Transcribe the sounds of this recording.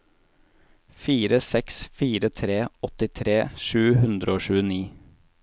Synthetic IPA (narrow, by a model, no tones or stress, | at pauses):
fiːɾəsɛksfiːɾət̪ʰɾeːɔt̪ɪt̪ʰɾeːʃʉːhʉnd̪ɾəoːʃʉːəniː